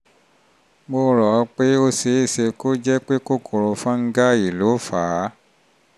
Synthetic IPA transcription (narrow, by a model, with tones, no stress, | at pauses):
ɡ͡bo˧ɾɔ˨˧k͡pe˦o˧se˨˦i˦˨se˧ko˦d͡ʒɛ˦k͡pe˦ko˦kʰo˨ɾo˧fã˦ŋ̩˦ɡa˦i˨lo˨˦faː˨˦